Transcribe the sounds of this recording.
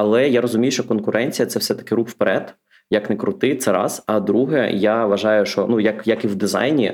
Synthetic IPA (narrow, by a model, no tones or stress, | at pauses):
ɐlˠɛjaɾɔzʊmʲijʊʃt͡ʃɔkɔnkʊɾʔɛnʲt͡sʲijɐt̪sɛwsɛt̪ɐ̥kɪɾuxwpeɾɛd̪ | jɐknekɾʊt̪ɪt̪sɛɾɑ̰sɐd̪ɾuɦɛjaʋɐʒɑjʊʃt͡ʃɔnujɐkjɐkiwd̪ɪzɑ̰jnʲḭ